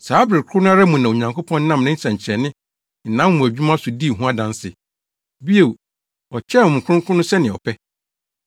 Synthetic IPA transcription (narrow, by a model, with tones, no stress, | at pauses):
saː˨˦bɾɪ˨kʰʊ˦nʊ̃˦a˦ɾa˦mũ˨nã˨o˨ɲã˨ŋkʰo˦pʰɔ̃˦n˦nã˦mnɪ̃˦sã˨ɲ˨t͡ɕʰɛ˨nɪ̃˦ | n̩˨nã˦mː˦ũ˨æ˨d͡ʑᶣu˦mã˦sʊ˨di˦˨ɦũ˦a˦dã˦n˦sɪ̰˨ | bi˦e˨w | ɔ˨t͡ɕʰɛ˦ʊ̃˨m̃˨kʰɾʊ̃˦kʰʊ̃˦nʊ̃˦sɛ˦nɪ̃˨ɔ̰˨pʰɛ˦